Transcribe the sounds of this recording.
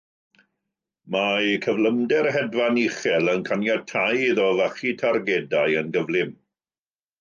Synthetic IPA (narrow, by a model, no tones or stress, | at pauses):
makʰəvləmdɛrhɛdvaniχɛlˠənkʰanjatʰajðɔvaχitʰarɡedajənɡəvlˠɪm